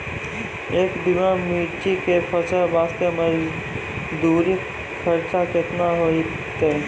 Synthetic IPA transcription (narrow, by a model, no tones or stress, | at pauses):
eːkd̪ɪmamiːt͡ʃikepʰət͡ʃəɾʋaːst̪eməɾ | d̪uːɾi | kʰəɾt͡ʃaket̪naɦoi | t̪e